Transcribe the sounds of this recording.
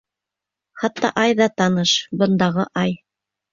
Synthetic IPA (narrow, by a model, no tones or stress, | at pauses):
χɑt̪ːɑ̰ʔɑjðɑt̪ɑnɤʃbɤ̆nd̪ɑʁɤʔɑj